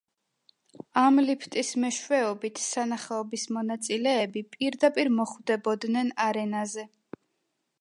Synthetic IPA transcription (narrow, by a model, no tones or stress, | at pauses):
amlipʰt̪ʼismɛʃwɛɔbit̪ʰsanaχɛɔbismɔnat̪sʼilɛːbipʼiɾd̪apʼiɾmɔχvd̪ɛbɔd̪nɛnaɾɛnazɛ